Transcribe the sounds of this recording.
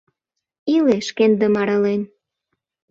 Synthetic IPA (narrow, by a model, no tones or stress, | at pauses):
ileʃkend̪ə̆mɑɾɑlen